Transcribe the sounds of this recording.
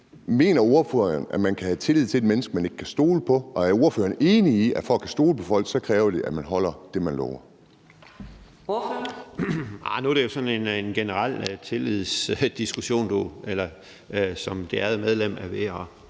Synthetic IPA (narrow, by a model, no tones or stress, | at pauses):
me̝̰ːnɐo̝ɐfø̰ːɐnæmænkʰæhæt͡sʰe̝liðˠt͡sʰe̝ed̥menəsɡ̥mæne̝ɡ̥kʰæsd̥o̝̰ːləpʰɒ̽ɒ̽æɐo̝ɐfø̰ːɐne̝ːniiʔæfɒ̽ɡkʰæsd̥o̝̰ːləpʰɒ̽fɒ̽l̰ɡ̥sɒ̽kʰʁɛːʊɐd̥e̝ʔæ̥mænɦɒ̽l̰ɐd̥e̝mænlɒ̰ːʊɐ | anud̥ɾe̝jo̝sɒ̽ne̝nnɡ̥enəʁal̰t͡sʰe̝lið̰ˠsd̥isɡ̥uɕo̝̰ːnd̥uelɐ | sɒ̽md̥e̝æð̩ˠmeð̞ˠlem̰æɐʋeɐ